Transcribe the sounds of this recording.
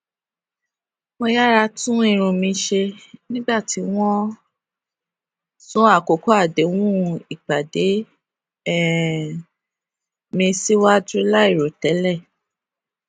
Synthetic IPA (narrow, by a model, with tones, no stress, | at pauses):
mõ˧ja˦ɾa˧tũ˦ĩ˦˨ɾ̃ũ˧mĩ˧˦ʃe˧nĩ˦ɡ͡ba˦˨ti˨˦w̃ɔ̃˦ | sũ˦a˦˨ko˨ko˨˦a˦˨de˨˦w̃ũ˦i˨k͡pa˨de˨˦ | ɛ˦˨ | mĩ˧si˦wa˦du˦la˦i˦˨ɾo˨tɛ˨˦lɛ˦˨